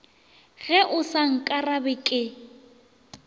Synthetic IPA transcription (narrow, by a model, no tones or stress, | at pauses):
ɣɛʔʊsaŋ̩kʼarabɪkʼɪ